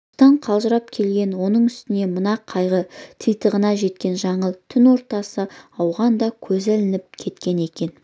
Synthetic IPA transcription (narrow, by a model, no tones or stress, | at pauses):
t̪ɑɴqʰɑlˠʒəɾɑp̚kʲʰe̞lɡʲe̞nwo̞nəɴʏst̪ɪne̞mənɑqʰɑjʁət̪ʰijt̪əʁənɑʒe̞t̪kʲe̞nʒɑɴəlˠt̪ʰʏnwo̞ɾt̪ɑsəɑwʁɑnd̪ɑkʲʰɵzælɪnɪp̚kʲʰe̞t̪kʲe̞ne̞kʲe̞n